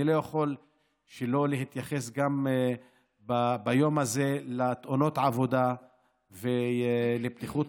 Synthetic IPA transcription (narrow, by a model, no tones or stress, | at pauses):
ilo̞jaχo̞l | ʃelo̞leɦit̪jaχesɡam | babajo̞maze̞lat̪ʔono̞t̪ʕavo̞d̪a | veleb̚t̪iχut̪